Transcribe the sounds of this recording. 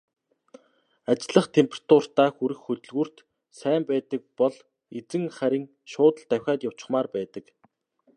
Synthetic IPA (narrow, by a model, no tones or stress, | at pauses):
at͡ɕɪ̆ɮə̆χt̪ʰempʰʲerḁt̪ʰʊr̥t̪aːxuɾɘ̆xːɵt̪ɵ̆ɮɣuːr̥t̪ | sæːmpæːt̪ə̆k̚pɔɮ | et͡sɘ̆ŋχæɾʲɪ̆ŋ | ʃʊːt̪ə̆ɮt̪æwʲxʲaːt̪jaw̥t͡ɕɪ̥̆χmaːrpæːt̪ə̆k